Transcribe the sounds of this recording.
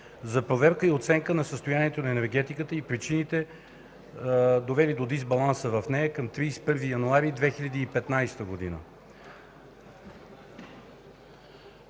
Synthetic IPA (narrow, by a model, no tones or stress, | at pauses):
zɐpɾovɛɾkəiot̪sɛŋkənɐsəst̪ojaniɛt̪onɐɛnɛɾɡ̟ɛt̪ikət̪əipɾit͡ʃinit̪ɛ | d̪ovɛlid̪od̪izbɐlˠansəvɐfnɛjəkɐmt̪ɾispɤɾvijɐnuaɾid̪vɛxilʲɐd̪iːpɛt̪najst̪əɡod̪inə̰